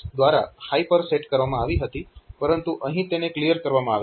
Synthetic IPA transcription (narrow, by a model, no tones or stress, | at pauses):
d̪ʋaɾa̰hajpəɾseʈkəɾʋamãaʋiɦət̪ipəɾənt̪uʔəɦĩt̪eneklijəɾkəɾʋamãaʋ